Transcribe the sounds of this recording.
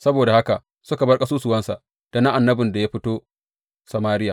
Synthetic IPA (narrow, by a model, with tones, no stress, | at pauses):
sɐ˦boː˨da˨ha˦ka˨ | sʊ˦ka˨bɐ˦rkʼɐ˦suː˦sʊ˨wɐ˦nsa̰˨ | d̥a˨na˦ʔa˨nːɐ˦bɪ˨nda˨ja˦ɸɪ˦toː˦ | sɐ˨maː˦ɾɪ˦jaː˨